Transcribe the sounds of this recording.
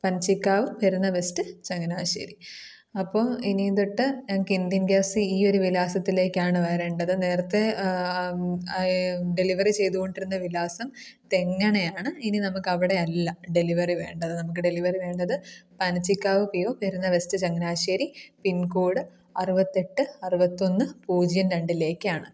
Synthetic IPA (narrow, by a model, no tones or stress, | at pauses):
pɐnɐt͡ɕːikːaːʋɨmpeɾunːɐʋestɨt͡ɕɐŋːɐnaːɕḛːɾi | ɐpːoːinind̪oʈːɨkind̪inɡjaːsɨiːo̞ɾuʋilaːsɐt̪ːile̞ːkːaːɳɨʋɐjɐɾeːɳɖɐðɨne̞ːrɐt̪ːe | ɖeliʋɐrit͡ɕe̞jt̪uɣoɳɖiɾunːɐʋilaːsɐmt̪e̞ŋːɐɳejaːɳɨininɐmukːɐʋiɽe̞ɐlːɐɖe̞liʋɐriʋe̞̰ːɳɖɐðɨnɐmuk̬ːɨɖeliʋɐriʋe̞ːɳɖɐðɨpɐnɐt͡ɕːikʲːaːʋɨpijoːkɐɾunːɐʋestɨt͡ɕɐŋːɐnaːɕeːɾipinkuːɽɨ | ɐruʋɐt̪ːe̞ʈːɨɐruʋɐt̪ːo̞nːɨpuːd͡ʑijɐnɾeɳɖile̞ːkːɨaːɳɨ